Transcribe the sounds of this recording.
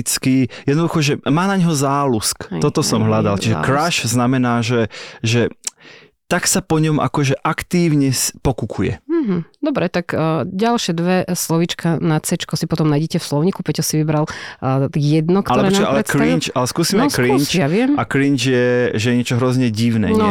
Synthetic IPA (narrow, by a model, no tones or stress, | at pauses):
it͡skijɛd̪nɔd̪uxɔʒɛmaːnaɲɦɔzaːlusk̪ɔt̪ɔsɔmɦʎad̪a̰lt͡ʃiʒɛ̰kɾaʃznamɛnaːʒɛʒɛ | t̪aksapɔɲɔmʔa̰kɔʒɛʔakt̪iːʊɲɛspɔkukʰujɛ̰m̩ɦm̩d̪ɔbɾɛt̪aɡɟalʃɪɛd̪ʋɛslɔʋit͡ʃkanasɛt͡ʃkɔsipɔt̪ɔmnajɟɛcɛfslɔʊɲikupɛcɔsiʋibɾal | jɛd̪nɔk̪alɔɛbɾɔnaa̰lɛɛkɾint͡ʃalɛskuːsiːmɛkɾinaʋɪɛmakɾint͡ʃjɛʒɛjɛɲɪɛt͡ʃɔɦɾɔzɲɛɟiʊnɛ̰